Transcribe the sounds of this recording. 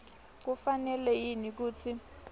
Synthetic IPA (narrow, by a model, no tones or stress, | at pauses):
k̬ufanɛlɛjinik̬uːt͡sʰi